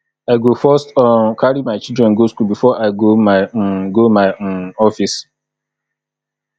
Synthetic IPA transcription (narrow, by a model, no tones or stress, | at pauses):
aɪɡofɔstɔkʰaɾimaɪt͡ʃildɾɛ̃nɡoskulbifɔʔaɪɡomaɪɡomaɪɔfis